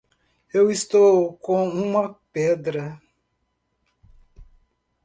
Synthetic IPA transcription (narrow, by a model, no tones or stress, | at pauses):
ewist̪okɔ̃ŋũmãpɛd̪ɾa